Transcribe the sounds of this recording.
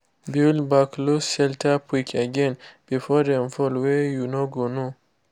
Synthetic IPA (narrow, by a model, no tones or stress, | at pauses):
bilbaklosʃɛltʰapʰwikʰəɡɛ̃nb̥ifɔdɛ̃mfɔlwɛjunoɡono